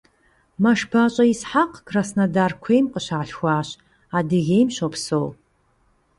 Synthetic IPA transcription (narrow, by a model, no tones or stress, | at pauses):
maʂbat͡ʃʼaisħaqkʰrasnadarkʷʰejmqʼəʃaːɬxʷaːʃ | adɨɣʲejmʃʷopʰsow